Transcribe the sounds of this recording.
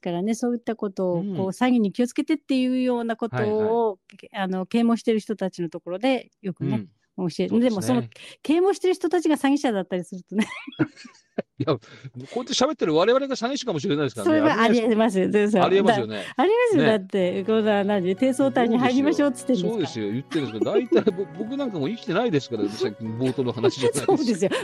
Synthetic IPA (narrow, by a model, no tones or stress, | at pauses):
eskaɾane̞so̞ːit̪ːako̞t̪o̞ːko̞ːsaɡʲiɲ̟ːikʲio̞t͡sɨ̥ke̞t̪e̞t̪ːe̞jɯ̟ːjo̞ːnako̞to̞ːano̞ke̞ːmõ̞ːɕi̥t̪e̞ɾɯ̟çi̥t̪o̞t̪at͡ɕino̞t̪o̞ko̞ɾo̞d̪e̞jo̞kɯ̟ne̞ | omoɕied̪e̞mo̞so̞no̞ke̞ːmõ̞ːɕi̥t̪e̞ɾɯçi̥t̪o̞t̪at͡ɕiɡasaɡʲiɕad̪at̪ːaɾʲisɨɾɯ̟t̪o̞ne̞ | jamkoet̪ːeɕabe̞t̪ːeɾɯ̟βaɾe̞βaɾe̞ɡasaŋiɕi̥kamo̞ɕ̬iɾe̞najd̪eskaso̞ɾe̞βaaɾʲimas̬ɨd̪es̬aɾiemasɨjoneaɾʲimasɨjo̞d̪at̪ːe̞ɡonanãt̪e̞ːso̞ːt̪aiɲ̟iɦaiɾʲimaɕo̞ːtɨ̥t̪ːeneoːd̪esɨjo̞jɯ̟t̪ːenesɨkad̪ait̪aibobok̬ɯ̟nãŋkamoikʲi̥t̪e̞naid̪e̞sɨ̥kaɾat̪aakbo̞ːt̪onoɦanaɕieso̞ːd̪e̞sɨjo